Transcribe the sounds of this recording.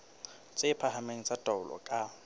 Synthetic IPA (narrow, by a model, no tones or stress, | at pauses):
t͡sʼɪpʰahameŋ̩t͡sʼatʼaʊlʔɔ̰kʼa